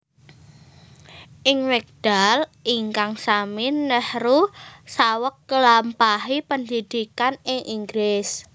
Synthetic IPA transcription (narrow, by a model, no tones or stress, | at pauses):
ʔɪŋwɛk̚d̥alʔiŋkaŋsamɪnːəhrusawəkːəlampaɦipənd̪id̪̥ikanɪŋʔiŋɡɾɪs